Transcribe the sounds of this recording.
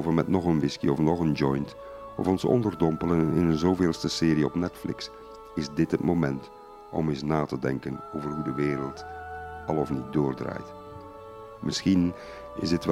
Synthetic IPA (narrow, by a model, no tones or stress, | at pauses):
vərmɛtnɔχənʋɪskḭɔfnɔχənd͡ʒɔjnt | ʔɔ̰fɔnsɔ̰ndərdɔmpələnɪnənzoːveːlˠstəsɪːɾiɔ̰pnɛtflɪ̰ks | ɪzdɪtɦətmomɛnt | ɔ̰mɪsnaːtədɛŋkənoːvərɦudəʋeːɾəlˠtɑlˠɔfnit̚dʊːrdra̰ːjt | mɪsxin | ɪzɪtʋɛ